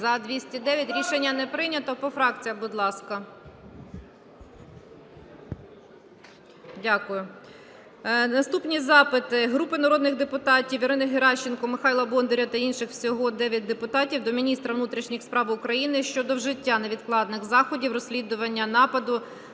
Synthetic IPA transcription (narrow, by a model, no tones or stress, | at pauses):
ɐd̪ʋʲisʲtʲid̪ɛʋʲjɐtʲɾʲiʃenʲːɐnɛpɾɪnʲɐt̪ɔpɔfɾɑk̚t͡sʲijɐbʊd̪lˠɑskɐ | dʲakʊjʊ | nɐst̪upnʲizɑpɪt̪ɪɦɾupɪnɐɾɔd̪nɪɣd̪epʊt̪ɑtʲiwjɪɾɪnɪɦɪɾɑʃːɪnkɔmɪxɑjlˠɐbɔnd̪ɔɾʲɐt̪ɐinʃɪxwsʲɔɦɔd̪ɛʋʲjɐt̚ʲd̪epʊt̪ɑtʲiwd̪ɔmʲinʲist̪ɾɐʋnut̪ɾʲiʃnʲixspɾɑʋʊkɾɐjinɪʃt͡ʃɔd̪ɔwʒɪtʲːanɛʋʲid̪̚klˠɑd̪nɪxzɑxɔdʲiwrɔsʲlʲid̪ʊʋɐnʲːɐnɑpɐd̪ʊ